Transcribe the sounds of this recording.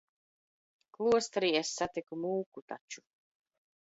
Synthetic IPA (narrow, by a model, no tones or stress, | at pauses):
klˠuɔst̪ɾiɛsːat̪ikumuːkut̪a̰t͡ʃu̥